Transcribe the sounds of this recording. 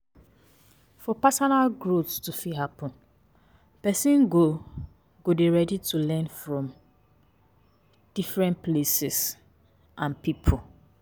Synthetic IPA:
fɔpasɔnalɡɹotstufiɦapɔ̃n | pɛsĩnɡo | ɡodeɹɛditʰulɛ̃nfɹɔ̃m | d̥ifɹɛ̃nplesɛs | ʔãnpipʰu

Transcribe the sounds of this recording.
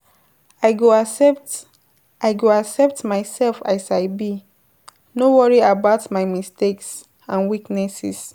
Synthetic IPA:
aɪɡo | aɪɡoaksɛp̚tmaɪsɛlfasaɪbi | nowɔɹiabaʊtmaɪmisteks | ãnwiknɛsɛ̰s

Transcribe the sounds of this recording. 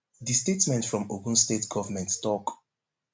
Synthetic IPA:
distetmɛ̃ntfɹɔ̃moɡũnstetɡ̥ɔvəmɛ̃nttɔk

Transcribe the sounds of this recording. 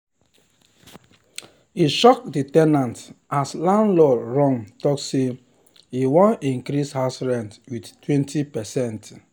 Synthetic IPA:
iʃɔk̚ditɛnãntaslãnlɔɹɔ̃ŋtɔkse | iwɔ̃nĩŋkɾishasɹɛ̃ntwidtwɛ̃ntʰipɛsɛ̃nt

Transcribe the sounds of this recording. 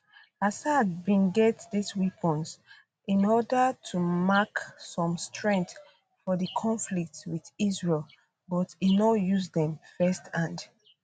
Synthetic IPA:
asaad̚bĩnɡɛtdiswipʰɔ̃ns | ʔĩnɔdətʰumaksɔ̃mstʰɹɛ̃nθ | fɔðəkʰɔ̃nflik̚twiðizɹel | bɔtinɔjuzdɛ̃mfɛstʰãnd

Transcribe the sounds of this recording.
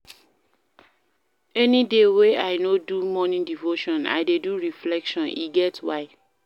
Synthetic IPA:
ɛnideweaɪnodumɔnĩndivoʃɔ̃na̰ɪdeduɹiflɛkʃɔ̃nḭɡɛtwaɪ

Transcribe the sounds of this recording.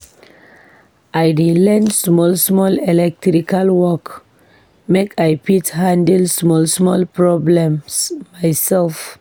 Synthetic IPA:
ʔajɹilɛ̃nsmɔlsmɔlɛlɛk̚tɾikalwɔk | mekʰajpithãndɛlsmɔlsmɔlpɹɔblɛ̃msmajsɛlf

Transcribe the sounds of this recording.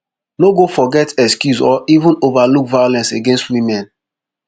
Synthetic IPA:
noɡofɔɡɛtɛkskjuzɔʔivũnovalukvajolɛ̃nseɡẽnstwimɛ̃n

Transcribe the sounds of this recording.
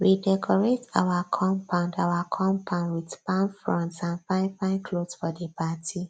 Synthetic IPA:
ɹidɛkʰɔɹeta̰wakʰɔ̃mpʰãʊ̃ndawakʰɔ̃mpʰãʊ̃ndwidpãnfɹɔ̃ntsãnfãɪ̃npãɪ̃nkʰlodsfɔdəpatʰi

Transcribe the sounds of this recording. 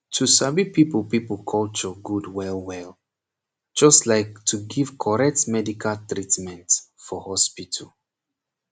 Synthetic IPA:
tʰusabipipəlˠpipəl̩kʰɔlt͡ʃɔɡudwɛlˠwɛl | d͡ʒɔstlaɪk̚tʰuɡiv̥kʰɔɹɛk̚tmɛdikʰaltɹitmɛ̃nt | fɔhɔspitʰəl

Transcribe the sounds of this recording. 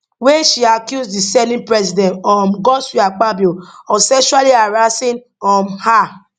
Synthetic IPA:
wɛʃiakjusdisɛlĩnpɹɛsidɛ̃ntɔ̃mɡɔswiak͡pabuɔsɛʃualiaɹasĩn | ɔ̃mha

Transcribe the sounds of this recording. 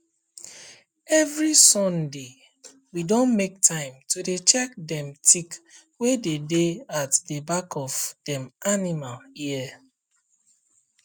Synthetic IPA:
ɛvɹisɔ̃nde | widõnmek̚tʰãɪ̃mtudet͡ʃɛk̚dɛ̃mtʰik | wededeatdebakʰɔvd̥ɛ̃manimaliɛ

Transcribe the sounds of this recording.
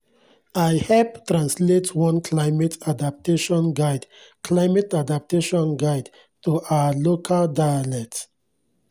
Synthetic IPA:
aɪhɛlptɹãnsletwɔ̃nkʰlaɪmɛtʰadap̚teʃɔ̃nɡaɪdkʰlaɪmɛtadap̚teʃɔ̃nɡaɪd | tuʔaalokʰaldajalɛt

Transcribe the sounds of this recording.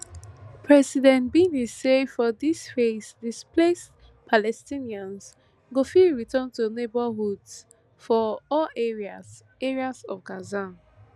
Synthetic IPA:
pʰɹɛsidɛ̃nt̚binisːefɔdisfesdisples | pʰalɛstĩniãns | ɡofiɹitə̃ntonebəɦuds | fɔɔleia | eɹiazɔvɡaza

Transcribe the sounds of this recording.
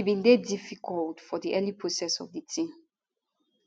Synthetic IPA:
ibĩndedifikʰɔltfɔdiʔɛlipʰɹosɛsɔ̰vditʰĩm

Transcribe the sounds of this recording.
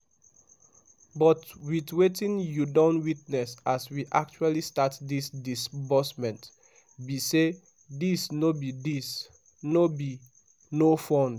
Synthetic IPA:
bɔtwitwetĩnjudõntwitnɛsaswiʔak̚t͡ʃualistatdisdisbɔsmɛ̃nt | bise | disnobidis | nobi | nofɔ̃n

